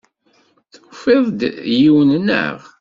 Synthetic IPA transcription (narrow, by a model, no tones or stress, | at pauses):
θufeðˤd̪jiwənnə̰ʁ